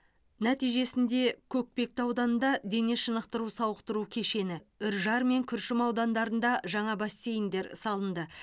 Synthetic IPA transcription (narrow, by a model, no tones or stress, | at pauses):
næt̪ijʒe̞sɪnd̪e̞kʲʰɵk̚pe̞k̚t̪ɑwd̪ɑnənd̪ɑd̪e̞ne̞ʃənəqt̪əɾusɑwəqt̪əɾukʲʰe̞ʃe̞nɪʏɾʒɑɾme̞ŋkʲʰʏɾʃɪmɑwd̪ɑnd̪ɑɾənd̪ɑʒɑɴɑbɑsːe̞jɪnd̪e̞ɾsɑlˠənd̪ə